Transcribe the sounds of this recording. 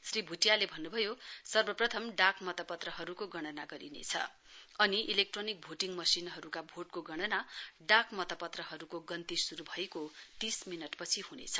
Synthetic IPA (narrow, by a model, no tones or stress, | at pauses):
sribʱuʈjalebʱʌnːubʱʌjosʌrbʌprʌt̪ʰʌmɖakmʌt̪ʌpʌt̪rʌɦʌɾukoɡʌɽ̃ʌnaɡʌɾḭnḛt͡sʰʌ̰ | ʌniʔilek̚ʈronik̚bʱoʈiŋmʌsinɦʌɾukabʱoʈkoɡʌɽ̃ʌnaɖakmʌt̪ʌpʌt̪rʌɦʌɾukoɡʌnt̪isuɾubʱʌjkot̪isminʌʈpʌt͡sʰihunḛt͡sʰʌ